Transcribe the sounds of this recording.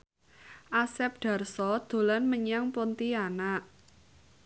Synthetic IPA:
ʔasɛp̚ɖ̥ä̤rsɔd̪̥o̤lanməɲaŋpont̪ianaʔ

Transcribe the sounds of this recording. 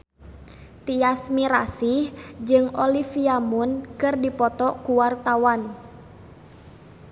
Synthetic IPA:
t̪iasmiɾa̰sihd͡ʒɨŋɔlifiamunkɨrdipɔt̪ɔkuwart̪awan

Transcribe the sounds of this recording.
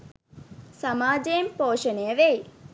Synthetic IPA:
samaːd͡ʒempoːʃənejəʋej

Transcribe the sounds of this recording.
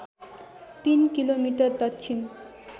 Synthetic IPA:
t̪inkilomiʈʌrd̪ʌtːt͡ɕʰin

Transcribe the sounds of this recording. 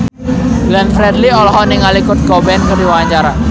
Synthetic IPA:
blanfɾɛd̪liɔlɔɦɔnɪŋalikʊt̪̚ɡɔbɛnkərdiwaɲt͡ʃaɾa

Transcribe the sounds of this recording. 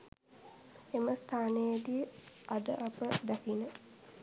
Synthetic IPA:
eməst̪ʰaːnəjəd̪iad̪əʔapəd̪ækinə

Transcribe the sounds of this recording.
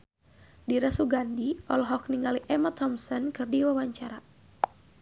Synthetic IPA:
diɾasuɡandiɔlɦɔk̚niŋɡaliʔɛmat̪ʰɔmsɔnkɨrdiwawaɲt͡ʃaɾa

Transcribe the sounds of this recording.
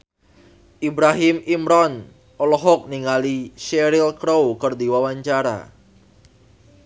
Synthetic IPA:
ʔibɾaɦɪmimɾɔn | ɔlɔɦɔk̚niŋaliʃɛɾɪlkɾowkərd̪iwawaɲt͡ʃaɾa̰

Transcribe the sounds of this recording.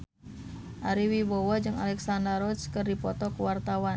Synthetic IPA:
ʔaɾiwibowad͡ʒɨŋa̰lɛksandaɾɔt͡ʃkɨrdipɔt̪ɔkuwart̪awan

